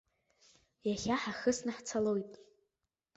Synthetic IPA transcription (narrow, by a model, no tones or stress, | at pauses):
jaχʲaħaχɨsnaħt͡sʰalojtʼ